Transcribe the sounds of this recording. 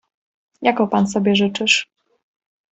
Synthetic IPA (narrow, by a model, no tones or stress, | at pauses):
jakɔpans̬ɔbʲjɛʐɘt͡ʂɘʂ